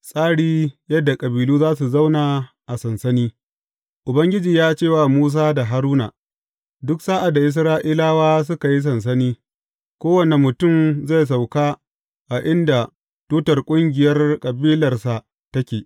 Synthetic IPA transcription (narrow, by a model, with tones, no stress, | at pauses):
sʼaː˦ɽiː˦jɐ˦dːa˨kʼɐ˨biː˨luː˦zaː˦su˨za˦wnaː˨ | ʔa˨sɐ˨nsɐ˦niː˦ | ʔʊ˨bɐ˦ŋɡʲɪ˦d͡ʒiː˨jaː˦t͡ʃeː˦˨wa˨muː˦s̬aː˦da˨ɦa˦ɾuː˦na̰˨ | dʊ˦ksaː˦ʔa˨da˨ʔɪ˨s̬ɾaː˦ʔi˦laː˦waː˦s̬ʊ˦ka˨ji˦s̬ɐ˨ns̬ɐ˦niː˦ | kʷoː˦wɐ˨ne˨mʊ˨tʊ˦˨mza˦˨js̬a˨wkaː˦ | ʔa˨ʔɪ˦nda˨ | tuː˦tɐ˨rkʷʼʊ˦ŋɡʲɪ˨jɐ˦rkʼɐ˨biː˦lɐ˨rsa˨ | tɐ˦kʲeː˨